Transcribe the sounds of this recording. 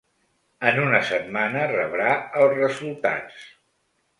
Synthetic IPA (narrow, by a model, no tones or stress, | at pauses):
ənunəsət̪manərəβɾaəlˠzrəzulˠt̪a̰t͡s